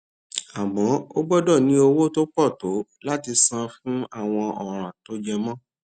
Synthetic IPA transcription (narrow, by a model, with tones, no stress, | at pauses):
a˨mɔ̃˨˦o˦ɡ͡bɔ˦dɔ˦˨nĩ˦o˧wo˦to˦k͡pɔ˦˨to˨˦la˦ti˧sã˧fũ˦a˦˨w̃ɔ̃˧ɔ˨ɾ̃ã˨to˦d͡ʒɛ˧mɔ̃˦